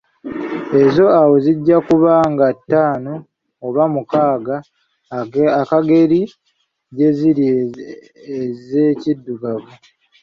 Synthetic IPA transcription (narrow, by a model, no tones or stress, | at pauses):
e̞zo̞awo̞ziɟːakuβaːŋɡatːaːno̞ː | βamukaːɡa | akaɡe̞ɾi | ɟe̞ziɾi | eze̞cidːuɡavu